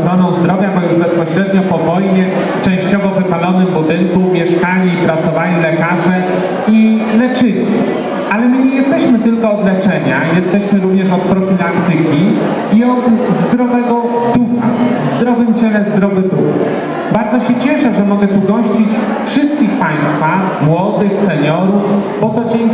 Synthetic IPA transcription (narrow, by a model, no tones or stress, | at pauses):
xɾɔnɔ̃w̃zd̪ɾɔvʲjabɔjuʐbɛspɔɕɾɛd̪ɲɔpɔvɔjɲɛ | ft͡ʂɛ̃w̃ɕt͡ɕɔvɔvɘpalɔnɘmbud̪ɘŋkumʲjɛʂkaɲʲiːpɾat̪sɔvalʲilɛkaʐɛ | ilɛt͡ʂɘɲi | ʔalɛmɘɲejɛst̪ɛɕmɘt̪ɘlkɔːd̪lɛt͡ʂɛɲajɛst̪ɛɕmɘɾuvɲɛʂɔt̪̚pɾɔfʲilakt̪ɘkʲi | iɔd̪zd̪ɾɔvɛɡɔ | d̪̥uxa̰vzd̪ɾɔvɘmt͡ɕɛlɛzd̪ɾɔvɘd̪ux | baɾd̪zɔɕɛt͡ɕɛʂɛʐɛmɔɡɛt̪uɡɔɕt͡ɕit͡ɕ | fʂɘst̪̚kʲixpaj̃st̪fa | mwɔd̪ɘxsɛɲɔɾufbɔt̪ɔd͡ʑɛŋ